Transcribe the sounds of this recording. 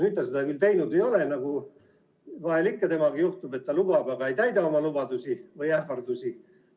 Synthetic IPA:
nyt̪ːˑɑsed̪ɑkylt̪e̞jnud̪ejo̞lenɑɡ̥u | vɑelikːɑt̪e̞mɑɡijuht̪ube̞t̪ːɑlub̥ɑbɑɡ̥ɑe̞jt̪æjd̪ɑo̞mɑlubɑd̪usivɯjæhvɑrd̪̥usʲi

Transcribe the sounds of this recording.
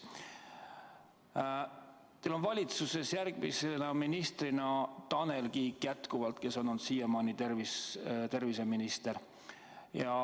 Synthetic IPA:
t̪elo̞nvɑlʲit̪suse̞sjærɡ̥misenɑminist̪rinɑt̪ɑne̞lɡikjæt̪kuvɑlt̪̚ke̞so̞nːont̪sijemɑːnit̪ervist̪e̞rvise̞minist̪e̞ɾ | jɑ

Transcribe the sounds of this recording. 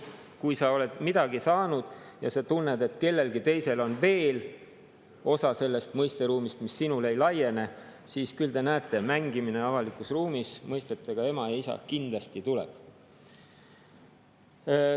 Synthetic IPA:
kujsɑo̞le̞d̪̥mid̪̥ɑɡ̥isɑːnud̪̥jɑsɑt̪unːed̪e̞t̪ˑke̞lːe̞lɡ̥it̪e̞jse̞lo̞nve̞ːl | o̞sɑse̞lːe̞st̪mɤjst̪e̞ɾuːmist̪misːinule̞jlɑje̞ne̞ | siːskyld̪e̞næːt̪ːˑe̞mæŋɡ̥imine̞ɑvɑlikˑusruːmismɤjst̪e̞t̪ːˑeɡ̥ɑe̞mɑjɑisɑ̰kind̪̥lɑst̪it̪ulḛb̥

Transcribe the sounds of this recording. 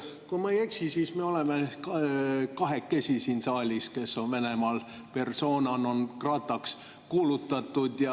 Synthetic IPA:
kumɑejeksisiːsmeo̞lemekkɑɦekːesisiːnsɑːlʲiske̞sːonvene̞mɑːl | pe̞rso̞ːnɑno̞nkrɑt̪ːˑɑks | kuːlut̪ːˑɑt̪ːˑud̪̥jɑ

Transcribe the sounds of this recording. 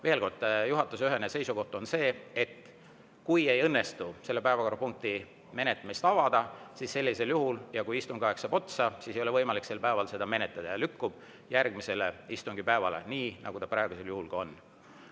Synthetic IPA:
ve̞ːlko̞rd̪juɦɑt̪ːˑusyɦe̞nese̞jsuko̞ht̪onse̞ːet̪ː | kuje̞jɤnːe̞st̪uselːe̞pæevɑko̞ɾɑpuŋk̚t̪i | me̞net̪ːˑɑmist̪ɑvɑd̪̥ɑsisːe̞lʲːise̞ljuɦuljɑkujist̪uŋɡ̥ɑeksɑpo̞t̪sɑsisejole̞vɤ̞jmɑlikse̞lpæevɑlse̞d̪̥ɑme̞net̪ːˑɑd̪̥ɑjɑlykːub̥ | jærɡ̥mise̞leist̪uŋɡ̥ipæevɑle̞̰niːnʔɑ̰ɡ̥ut̪ɑpɾɑeɡuse̞ljuhulɡ̥ɑo̞nː

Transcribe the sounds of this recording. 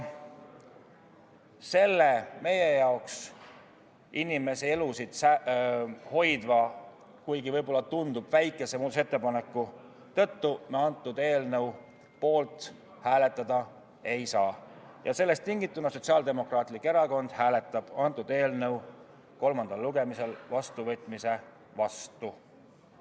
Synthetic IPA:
se̞lːeme̞jejɑoks | inime̞see̞lusid̪̥sæ | ho̞jd̪̥vɑ | kujɡ̥ivɤjbo̞lːɑt̪und̪ub̥væjkːˑe̞semuːd̪set̪ːˑepɑne̞kːˑu | t̪ɤ̞t̪ːuneɑnt̪ːˑud̪̥e̞ːlnəw | po̞ːlt̪ˑ | hæːle̞t̪ːˑɑd̪̥ɑ | e̞jsɑː | jɑse̞lːe̞st̪ːiŋɡit̪ːˑunɑso̞t̪ʲsiɑːld̪e̞mo̞krɑːt̪likːe̞ɾɑko̞nd̪̥hæːlet̪ːˑɑb̥ɑnt̪ːˑud̪̥e̞ːlnɤw | ko̞lmɑnd̪ɑlːuɡe̞mise̞lvɑst̪uvɤt̪ˑmise̞ | vɑst̪u

